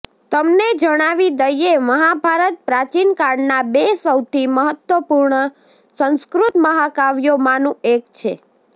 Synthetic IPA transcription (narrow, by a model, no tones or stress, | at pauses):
t̪əmned͡ʒəɽ̃aʋid̪əjeməɦabʱaɾət̪̚pɾat͡ʃinkaɳnabesəwt̪ʰiməɦət̪wʋəpuɾɳə | sə̃nskɾut̪məɦakaʋjomãnũekt͡ʃʰe